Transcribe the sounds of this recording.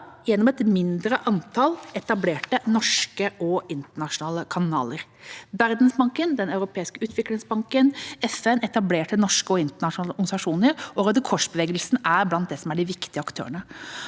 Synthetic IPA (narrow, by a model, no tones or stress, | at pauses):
jɛnːɔmɛt̪mɪnd̪ɾəʔɑnt̪ʰɑlɛt̪ɑbleːʈənɔʂkəʔɔɪnt̪əɳɑʂʊnɑːləkʰɑnɑ̰ːləɾʋæɾd̪nsbɑŋkənd̪ɛnɑʉɾʊpʰeːɪskəʉːt̪ʰʋɪklɪŋsbɑŋkənɛfɛnɛt̪ɑbleːʈənɔʂkəɔɪnt̪əɳɑʂʊnɑːləɔɾɡsɑʂuːnəɾʔɔɡɑd̪əkʰɔʂbəʋeːɡəlsnæɾblɑnt̪̚d̪ɛsɔmæɖɪʋɪkt̪ɪəɑkt̪ʰø̰ːəɳə